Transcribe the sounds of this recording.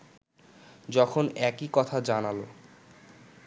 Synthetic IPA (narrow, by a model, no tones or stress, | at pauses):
d͡ʑɔkʰonɛkikɔt̪ʰad͡ʑanalo̰